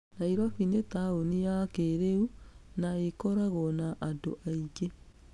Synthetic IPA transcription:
naiɾafinetaonijakeɾeunaekɔɾaɣɔnaʔado̰ʔaiɡe

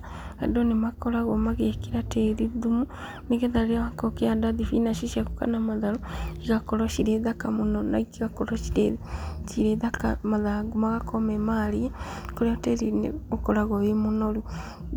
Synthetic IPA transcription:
a̰donemakɔɾaɣɔmaɣeːkiɾatɛɾiðumu | neɣeðaɾeaakɔkeadaðifinaʃiʃiakuka̰namaðaɾɔiɣakɔɾɔʃiɾeðakamonɔnaikiɣakɔɾɔʃiɾḛt͡ʃiɾeðakamaðaŋɡumaɣakɔmɛmaɾiɛkoɾeɔtɛɾinḛokɔɾaɣɔemonɔɾu

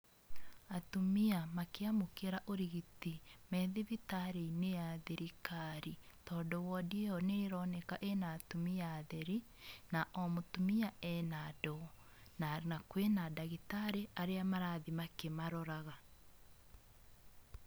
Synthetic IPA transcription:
atomiamakeamokeɾaʔoɾiɣitimɛðiβitaɾeinejaðeɾikaɾitɔːndɔwɔdieɔneɾɔnɛkaʔenaːtumiaðeɾi | naʔɔmotumiaɛnadɔ | nanakwenadaɣitaɾeʔaɾeamaɾaðimakemaɾɔɾaɣa

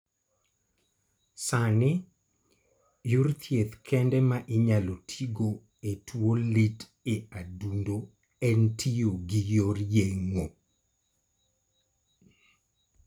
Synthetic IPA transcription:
sanɪ | jurt̪ʰjet̪kʰɛndɛmaʔɪɲalotʰiɡo | etwollit | eadundo | ɛntʰijoɡijorjeŋo

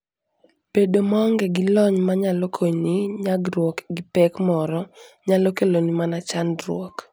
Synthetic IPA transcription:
b̥edomɔŋɡɛɡɪlɔɲmaɲalokʰoɲniɲaɡrwɔkɡɪpɛkmɔɾɔɲalokelonimanat͡ʃandɾwɔ̰k

